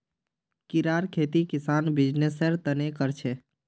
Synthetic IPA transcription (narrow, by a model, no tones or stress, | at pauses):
kiɾaɾkʰet̪ikisanbid͡ʒnesəɾt̪ənekəɾt͡ʃʰɛ